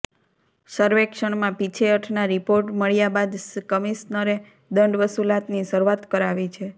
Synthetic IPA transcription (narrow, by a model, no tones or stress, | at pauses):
səɾʋekʃəɳmãpit͡ʃʰeəʈʰnaɾipoɾʈməɭjabad̪skəmisnəɾe | d̪əɳɖʋəsulat̪nisəɾuʋat̪kəɾaʋit͡ʃʰe